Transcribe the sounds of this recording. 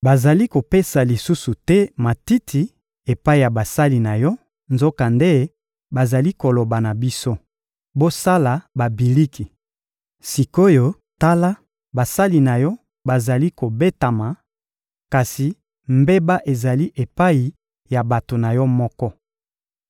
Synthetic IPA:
ba˨za˨li˦ko˨pe˦sa˨li˨su˦su˨tɛ˦ma˨ti˦tʰi˨ | e˨pa˦i˨ja˨ba˨sa˦li˨na˨jɔ˦ | nzo˦ka˨nde˦ | ba˨za˨li˦ko˨lo˨ba˨na˨bi˦so˦ | bo˦sa˦la˨ba˨bi˨li˦ki˨ | si˨ko˦jo˦ | ta˦la˦ | ba˨sa˦li˨na˨jɔ˦ | ba˨za˨li˦ko˨be˦ta˨ma˨ | ka˨si˨ | mbe˦ba˦ʔe˨za˨li˦ʔe˨pa˦i˨ | ja˨ba˨to˨na˨jɔ˦mɔ˦kɔ˦

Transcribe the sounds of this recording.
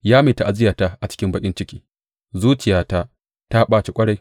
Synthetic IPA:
jaː˦meː˨ta˨ʔa˨zɪ˦jaː˨ta˦ʔa˨t͡ʃɪ̥˦kʲɪ˦mbɐ˦kʲʼɪ˦nt͡ʃɪ˦kʲi̥ː˦ | zuː˦t͡ʃɪ˨jaː˦ta˦ | ta˦ɓaː˦t͡ʃi˨kʷʼɐ˦ɽa˨j

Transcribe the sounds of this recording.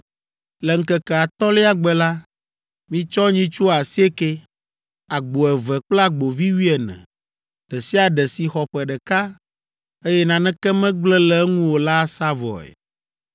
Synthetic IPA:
lɛ˨ŋ̩˦kɛ˦kɛ˨a˨t̪ɔ˦le˦a˨ɡ͡bɛ˨la˦ | mĩ˦t͡ʃɔ˦ɲĩ˦t͡ʃu˦a˨si˦e˦ke˦ | a˨ɡ͡bo˨ɛ˨vɛ˨k͡pla˦ɡ͡bo˨vi˦wi˦ɛ˨nɛ̰̃˨ | ɖ̥ɛ˨si˦a˨ɖɛ˨si˨xɔ˨ɸɛ˨ɖɛ˨ka˦ | e˦jɛ˦nã˨nɛ̃˦kɛ˦mɛ̃˦ɡ͡blɛ˦lɛ˦ŋũ˦wo˨la˦sa˦vɔ̰˨ɛ̰˨

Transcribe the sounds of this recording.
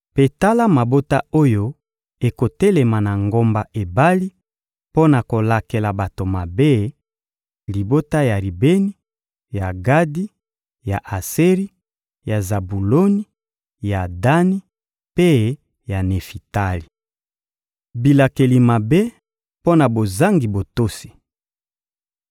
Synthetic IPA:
pe˨ta˦la˦ma˨bo˦ta˦o˦jo˦ | e˨ko˨te˦le˨ma˨na˨ŋɡo˦mba˨ʔe˨ba˦li˦ | po˦na˨ko˨la˨ke˨la˨ba˨to˨ma˨be˦ | li˨bo˦ta˦ja˨ʁi˨be˦ni˦ | ja˨ɡa˦di˦ | ja˨ʔa˨se˦ʁi˦ | ja˨za˨bu˨lo˦ni˦ | ja˨da˦ni˦ | pe˦ | ja˨ne˨fi˨ta˦li˨ | bi˨la˨ke˨li˨ma˨be˦ | po˦na˨bo˨za˦ŋɡi˨bo˨to˦si̥˨

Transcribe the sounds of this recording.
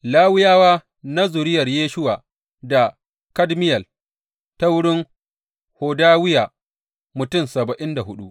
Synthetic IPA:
laː˦wɪ˦jaː˦waː˦ | na˦zʊ˨ɾɪ˦jɐ˨rjeː˦ʃʊ˦waː˨ | da˨ | kɐ˦dmɪ˦jɐ˨l | ta˦wʊ˦ɽɪ˦ŋ | hoː˨daː˦wɪ˦jaː˨ | mʊ˨tʊ˦˨nsɐ˨bɐ˨ʔɪ˦nda˨hʊ˦ɗṵ˦ʔ

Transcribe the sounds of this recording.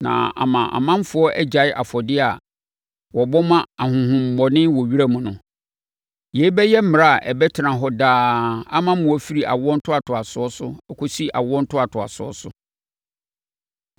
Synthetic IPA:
nã̰˨a̰˨mã˨ʔa̰˨mã˦m˦fʊ˨˦ɔ˦ʔɛ˦d͡ʑa˨ɪ˦ʔa˨fɔ˨dɪ˦a˨ | wɔ˨bɔ˦mã˦a˨hʊ̃˨hʊ̃˨m̩˨bɔ˨nɪ̃˦wɔ˨ɥi˦ɾa˦mʊ̃˨nʊ̃˨ | je˨˦i˦bɛ˦jɛ˦m̩˦m̃˨ɾa˦a˨ʔɛ˨bɛ˦tʰɪ˨ɾã˨ɦɔ˦daː˦a˦mã˦mʊ̃˨ɔ˦fi˦ɾi˨ʔa̰˨wɔ˦n̩˦tʰʊ˦a˨tʰʊ˨a˨sʊ˨ɔ˦sʊ˦ɛ˦kʰo˦si˦ʔa̰˨wɔ̃˦n̩˦tʰʊ˦a˨tʰʊ˨a̰˨sʊ˨˦ɔ̰˦sʊ̰˦

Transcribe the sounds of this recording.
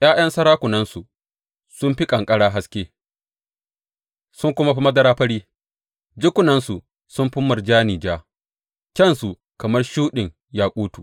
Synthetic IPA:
j̰aː˦jɐ˦nsɐ˦ɾaː˦kʷʊ˨nɐ˦nsu˨ | sʊ˦mɸi˦kʼɐ˨ŋkʼɐ˦ɽaː˦ɦa˦skʲeː˦ | sʊ˦ŋkʷʊ˦ma˦ɸi˦mɐ˦dɐ˦ɾaː˦ɸɐ˦ɽiː˦ | d͡ʒʊ˦kʷʊ˨nɐ˦nsu˨ | sʊ˦mɸʊ˦mːɐ˨rd͡ʒaː˦niː˨d͡ʒaː˦ | kʲɐ˦˨nsu˨ | kɐ˨mɐ˦rʃuː˦ɗɪ˨ŋ | jaː˦kʷʼuː˦tuː˨

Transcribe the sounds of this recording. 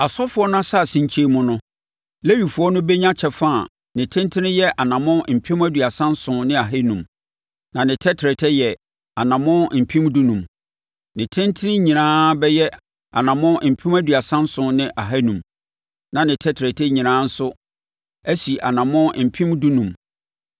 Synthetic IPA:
a˨sɔ˦fʊ˦ɔ˦n˦ã˦sa˦˨sĩ˨ɲt͡ɕʰe˦mʊ̃˦nʊ̃˦ | le˦ɥi˨fʊ˨˦ɔ˦nʊ̃˦bɛ˦ɲã˦t͡ɕʰɛ˨fa˦a˨ | nɪ̃˨tʰɪ̃˦n˦tʰɪ̃˦nɪ̃˦jɛ˦ʔa˨nã˨mʊ̃˦m̩˨pʰĩ˦mæ˦du˨a˨sã˦n̩˦sʊ̃˨nɪ̃˦a˨ɦe˦nũ˨m | nã˨nɪ̃˨tʰɛ˦tʰɾɛ˨tʰɛ˦jɛ˨ | a˨nã˨mɔ̃˦m̩˨pʰĩ˦mdu˦nũ˨m | nɪ̃˨tʰɪ̃˦ntʰɪ˦nɪ̃˦ɲĩ˨nãː˦bɛ˦jɛ˦ | a̰˨nã˨mʊ̃˦m̩˨pʰĩ˦m˦æ˦dɥa˨sã˦n̩˦sʊ̃˨nɪ̃˦ʔa˨ɦæ˦nũ˨m | nã˨nɪ̃˨tʰɛ˦tʰɾɛ˨tʰɛ˦ɲĩ˨nãː˦n̩˦sʊ˦ | æ˦si˨ʔa˨nã˨mʊ̃˦m̩˨pʰĩ˦mdu˦nũ˨m

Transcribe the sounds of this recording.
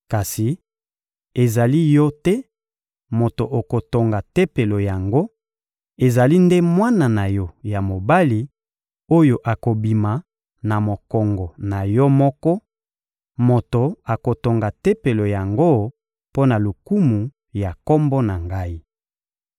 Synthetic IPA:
ka˨si˨ | e˨za˨li˦jɔ˦tɛ˦ | mo˨to˨ʔo˨ko˨to˨ŋɡa˨te˦pe˨lo˨ja˨ŋɡo˦ | e˨za˨li˦nde˦mwa˦na˨na˨jɔ˦ja˨mo˨ba˦li˨ | o˦jo˨ʔa˨ko˨bi˨ma˨ | na˨mo˨kɔ˨ŋɡɔ˨na˨jɔ˦mɔ˦kɔ˦ | mo˨to˨a˨ko˨to˨ŋɡa˨te˦pe˨lo˨ja˨ŋɡo˦ | po˦na˨lo˨ku˦mu˨ | ja˨kɔ˦mbɔ˦na˨ŋɡa˦i˦

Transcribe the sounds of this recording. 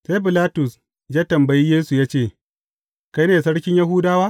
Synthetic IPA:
sa˦jbɪ˨laː˦tʊ˨s | d͡ʒaː˦tɐ˨mbɐ˨jiː˦jeː˦su˨jaː˦t͡ʃeː˦˨ | ka˦jneː˨sɐ˦ɽkʲɪ˦ɲjɐ˦ɦuː˦daː˦waː˦

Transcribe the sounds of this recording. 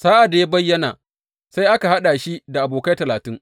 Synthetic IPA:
saː˦ʔa˨da˨ja˦bɐ˦jːɐ˦naː˨ | sa˦jʔa˦ka˨ha˦ɗa˨ʃi˦da˨ʔa˨boː˨kɐ˦tɐ˨laː˨tɪ˦ŋ

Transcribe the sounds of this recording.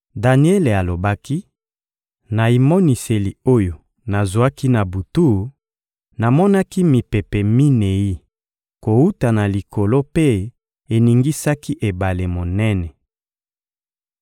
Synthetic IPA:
da˨ni˦e˦le˨a˨lo˨ba˦ki˦ | na˨i˨mo˦ni˨se˨li˨o˦jo˨ | na˨zwa˦ki˦na˨bu˨tu˦ | na˨mɔ˦na˦ki˦mi˨pe˨pɛ˨mi˦ne˨ji˦ | ko˨u˦ta˨na˨li˨ko˨lo˦pe˦ | e˨ni˨ŋɡi˦sa˦ki˦ʔe˨ba˨le˨mo˨nɛ˦nɛ˨

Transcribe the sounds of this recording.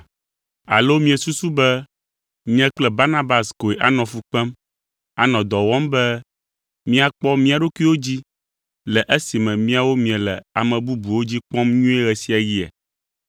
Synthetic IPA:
a̰˨lo˦mĩ˦ɛ˨su˦su˦bɛ˦ | mĩ˦ɛ˦k͡plɛ˦˨ba˦na˦ba˨sko˨e˨ʔa˨nɔ̃˨fu˨k͡pɛ˦m | a˨nɔ̃˨d̪ɔ˨wɔ˦mbɛ˦ | mĩ˦a˨k͡pɔ˦mĩ˦a˨ɖo˦kʷi˦wo˦d͡ʑi˦ | lɛ˨ʔe˦si˨mɛ̃˨mĩ˦a˨wo˦mĩ˨ɛ˨lɛ˨a˨mɛ̃˨bu˦bu˨wo˦d͡ʑi˦k͡pɔ̃˦mɲũ˦ɛ˦ɣɛ˨si˦a˨ji˦ɛ̰˨

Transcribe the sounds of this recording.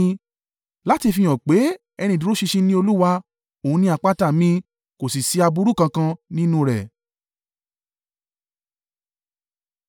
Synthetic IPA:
la˦ti˧fĩ˧j̃ɔ̃˨k͡pe˨˦ | ɛ˧ñĩ˧˨du˨˦ɾo˦ʃi˧ʃĩ˧nĩ˦o˧lu˦wa˧ | o˨ũ˦nĩ˧a˨˧k͡pa˦ta˦˨mĩ˧ | ko˨si˨si˨˧a˧bu˧˦ɾu˦˨kã˧kã˧nĩ˦nũ˦ɾɛ˨

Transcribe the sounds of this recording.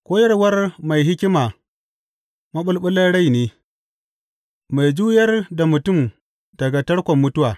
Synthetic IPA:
kʷoː˦jɐ˦rwɐ˦rma˨jɦɪ˦kʲɪ˦maː˨ | mɐ˦ɓʊ˦lɓʊ˦lːɐ˦ɽa˦˨jneː˦ | ma˨jd͡ʒuː˦jɐ˦rda˨mʊ˨tʊ˦˨m | d̥ɐ˨ɡa˨tɐ˦ɽkʷɔ˨mːʊ˦tʊ˦waː˨

